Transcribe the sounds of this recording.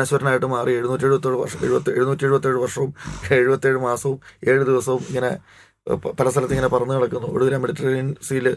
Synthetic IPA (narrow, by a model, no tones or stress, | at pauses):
nɐɕʋɐɾɐnaːjiʈːɨmaːrieɻunuːtːieɻubɐt̪ːiːɻuʋɐ̰rʂɐḛɻubɐt̪ːɨeɻunuːtːie̞ɻubɐt̪ːe̞ːɻɨʋɐrʂɐʋumeɻubɐt̪ːieːɻɨmaːsɐʋume̞ːɻɨd̪iʋɐsɐʋumiŋːɐne̞̰ | pɐlɐst̪ʰɐlɐt̪ːiŋːɐne̞pɐrɐnːukɐɽɐkːunːuo̰ɽuʋɐɾamːiɽitːɐrinsiːlɨ